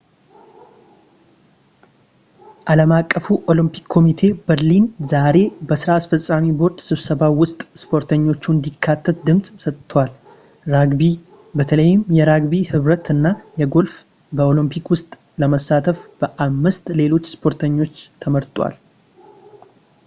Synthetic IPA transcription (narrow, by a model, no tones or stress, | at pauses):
ʔaləmakʼːəfuʔo̞lɨmpʰi̥kʰːo̞mit̪ʰe̞bəɾlinzaɾe̞bəsɨɾaːsfəsʼamibo̞ɾd̪sɨβsəβawʊst̪ʼspʰo̞ɾt̪ʰəɲːo̞t͡ʃːund̪ikʰːat̪ʰːət̪̚d̪ɨmsʼsət̪ːwal | ɾaɡbi | bət̪ʰələjːɪmjɛɾaɡbihɨβɾət̪ɨnːajɛɡo̞lf | bəo̞lɨmpʰikwʊst̪ʼ | ləməsːat̪ʰəfb̥əʔamːɨst̪le̞lo̞t͡ʃːspʰo̞ɾt̪ʰəɲːo̞t͡ʃːt̪ʰəməɾt̪ʼwa̰l